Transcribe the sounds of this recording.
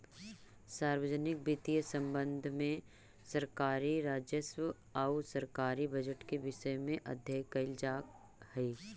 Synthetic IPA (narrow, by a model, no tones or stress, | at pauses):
saːɾwəd͡ʒnɪk̚bit̪ijəsɐ̃mbə̃nd̪ʱmẽ | sɐɾkaːɾiɾaːd͡ʒjəswə | aʊsɐɾkaːɾibɐd͡ʒəʈkeʋɪʃəjmẽʔɐ̰d̪ʱjəkɐɪld͡ʒaːk | hɛi